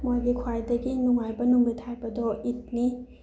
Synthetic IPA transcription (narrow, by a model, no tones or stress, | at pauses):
mojɡikʰwajdɐɡinuŋajbɐnumɾitʰajbɐdɔit̚ni